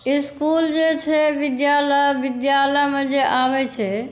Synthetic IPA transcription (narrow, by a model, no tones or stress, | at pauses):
ɪskuːld͡ʒet͡ʃʰeʋɪd̪jaːləʋɪd̪jaːləɦmẽd͡ʒeʔaːʋet͡ʃʰɛ